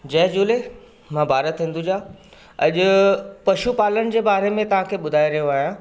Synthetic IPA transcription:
d͡ʑɐɦd͡ʑuːle | mãːbʱaːɾət̪ĩːnd̪ud͡ʑaː | ɐʄʊpɐʃupaːlənɪ̆d͡ʑeːbaːɾemẽt̪ɐʋ̤ɦãkʰeːɓʊd̪ʱaːiɾɐjoaːɦijãː

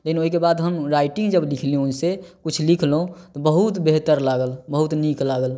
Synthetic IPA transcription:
lekinoɦikebaːd̪ɦəmɾaːɪʈɪ̃ŋɡd͡ʒəblɪkʰlĩunsekʊt͡ʃʰlikʰlõt̪obəɦut̪beɦt̪əɾlaːɡəlbəɦut̪niklaːɡəl

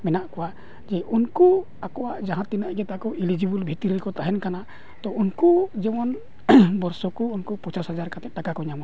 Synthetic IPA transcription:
mɛnaʔkɔwaʔ | d͡ʒɛʔunkɔ | akɔwaʔd͡ʒaɦãt̪inaʔɡɛt̪akɔilid͡ʒibulbʱit̪iɾiɾɛkɔt̪aɦɛnkana | t̪ɔunkud͡ʒɛmɔn | bɔɾsɔkɔːnkɔpɔt͡ʃasɦad͡ʒaɾkat̪ɛt̪̚ʈakakɔɲama

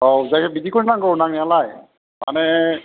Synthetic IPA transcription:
owzakɛbidikoɹinaŋɡonaŋjalaj | ma̰nɛ

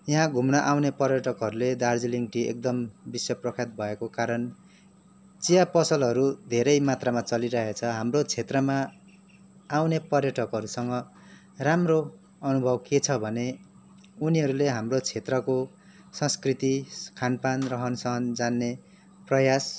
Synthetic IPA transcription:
jʌɦãɡʱumnʌʔawnepʌrjʌʈʌkɦʌɾuled̪ard͡ziliŋʈiḛk̚d̪ʌmbisjʌprʌkʰat̪̚bʱʌekokaɾʌn | t͡sijapʌsʌlɦʌɾud̪ʱeɾʌjmat̪ramat͡sʌliɾʌɦet͡sʰʌɦamrot͡sʰet̪rʌma | wnepʌrjʌʈʰʌkɦʌɾusʌŋɡʌ | ramro | ʌnubʱʌbket͡sʰʌbʱʌne | uniɦʌɾuleɦamrot͡sʰet̪rʌko | sʌ̃skrit̪ikʰanpanrʌɦʌnsʌɦʌnd͡zanːe | prʌjas

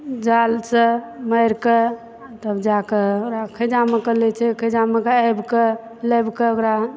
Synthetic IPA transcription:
d͡ʒalseməjɾke | t̪əbd͡ʒakekɾakʰəd͡ʒamekəlɛt͡ʃʰɛkʰəd͡ʒamekeajbke | ləjbkeokɾa

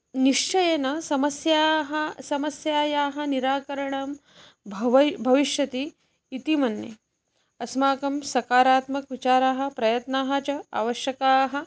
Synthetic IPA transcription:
niʂt͡ʃɐjɐnɐsɐmɐsjaːɦɐsɐmɐsjaːjaːɦɐ̆niɾaːkɐɾɐɳɐm | bʱʋbʱɐʋiʃjɐt̪iː | t̪imɐnːḛ | ɐsmaːkɐmsɐkaːɾaːt̪mɐkʋit͡ʃaːɾaːɦɐ̆pɾɐjɐt̪naːɦɐ̆t͡ʃɐa̰ːʋɐʃjɐkaːɦɐ̆

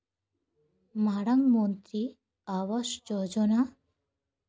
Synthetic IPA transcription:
maɽɐŋɡmont̪ɾi | aʋɐʃd͡ʒɔd͡ʒɔna

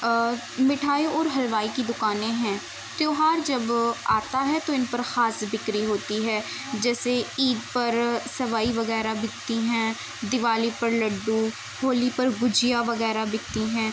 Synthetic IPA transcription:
mɪʈʰaːiɔːɾɦəlʋaːiːkid̪ʊkaːnẽːɦɛ̃ː | t̪joːɦaːɾd͡ʒəbaːt̪aːɦɛːt̪oːɪnpəɾxaːsbɪkɾiːɦoːt̪iːɦɛː | d͡ʒɛːseiːd̪pəɾsəʋaːiʋəɣɛːɾaːbɪkt̪iːɦɛ̃ː | d̪ɪʋaːliːpəɾləɖːuː | hoːliːpəɾɡʊd͡ʒɪjaːʋəɣɛːɾaːbɪkt̪iːɦɛ̃ː

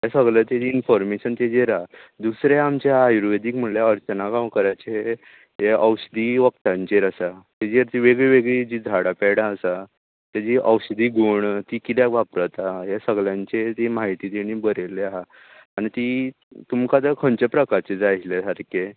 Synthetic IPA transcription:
ɦjesəɡɭət̪jed͡ʑiinfɔɾmeɕənt̪ed͡ʑeɾad̪usɾeamt͡ɕeɦaajuɾuʋed̪iːkm̤əleəɾt͡ɕənaɡãwkəɾajt͡ɕeɦe | ɦeʔəwɕəd̪iʋəkt̪ãɲt͡ɕeɾəsat̪ed͡ʑeɾt̪iʋeɡɭiʋeɡɭid͡ʑiːd͡zʱaɽapɛɽaəsa | t̪jad͡ʑiʔəwɕd̪ʱiːɡʱuɳt̪iːkiljakʋapɾət̪aɦesəɡɭjãɲt͡ɕet̪emaɦit̪iːt̪iɽ̃iːbəɾeleaɦaː | ɽ̃it̪i | t̪umkad̪əkʰənt͡ɕepɾəkaɾt͡ɕed͡zaɦilesaɾke

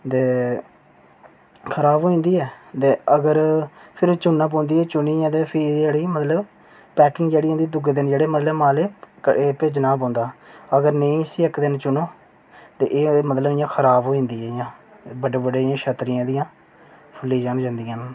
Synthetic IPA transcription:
t̪eː | kʰəɾaːbɦoːĩːnd̪iːɛːt̪eːəɡəɾpʰɪɾt͡ʃʊnːãːp̬õːnd̪iːɛːt͡ʃʊniːãːt̪eːpʰɪɾd͡ʒeːɽiːmət̪ləb | pɛːkɪ̃ŋɡd͡ʒeːɽiːãːd̪iːd̪ʊɡd̪ɪnd͡ʒeːɽeːmət̪ləmaːleːəeːpeːd͡ʒnaːp̬õːnd̪aːəɡəɾnəĩːsiːəkd̪ɪnt͡ʃʊnoː | t̪eːʔeːmət̪ləbɪjãːkʰəɾaːbɦoːĩːnd̪iːɛːɪjãːbəɖeːbəɖeːãːʃət̪ɾɪjãːd̪ɪjãː | pʰʊlːiːd͡ʒaːnd͡ʒãːnd̪ijãːn

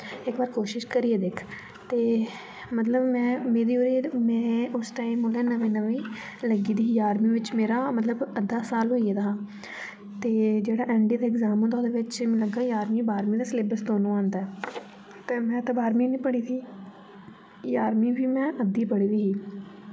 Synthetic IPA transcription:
ɪkbaːɾkoːʃɪʃkəɾiːeːd̪ɪkʰ | t̪eː | mət̪ləbmɛ̃ːmeːd̪iːoːɾiːmɛ̃ːʊsʈaːiːmoːlɛːnəʋĩːnəʋĩː | ləɡiːd̪iːjaːɾmiːʋɪt͡ʃmeːɾaːmət̪ləbəd̪aːsaːlɦoːied̪aː | t̪eːd͡ʒeːɽaːʔɛ̃ːɳɖiːd̪aːɪɡzaːmə̃ːd̪oːd̪eːʋɪt͡ʃːləɡaːjaːɾmiːbaːɾmiːd̪aːsleːbəsd̪oːnõːãːnd̪aːɛː | t̪eːmɛ̃ːt̪aːbaːɾmiːnĩːpəɽ̃iːd̪iː | jaːɾmiːbʱiːmɛ̃ːʔəd̪iːpəɽiːʋiːɦiː

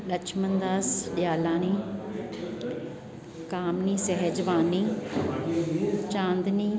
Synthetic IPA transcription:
ɗɐt͡ʃʰmə̃nd̪aːsɗɪjaːlãːnĩː | kaːmniːsɛɦɛd͡ʒʋaːniː | t͡ʃãːnd̪niː

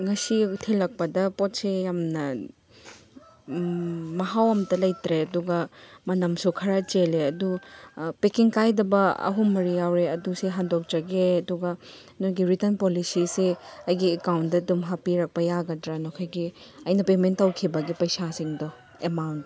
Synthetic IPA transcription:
ŋɐsitʰelɐk̚pɐdɐpot̚sejamnɐ | mɐɦawɐmtɐlɐjtɾeɐduɡɐmɐnɐmsukʰɐɾat͡ʃeleɐdupekiŋkajdɐbɐɐ̰ɦumːɐɾijawɾeɐduseɦandok̚t͡ʃɐɡeɐduɡɐ | nɔɡiɾitɐnpolisiseɐjɡiekawndɐdumɦapiɾɐk̚pɐjaɡɐdɾanɔkʰajɡiɐjnɐpementːɐwkʰibɐɡipɐjsasiŋdɔ | emawnt

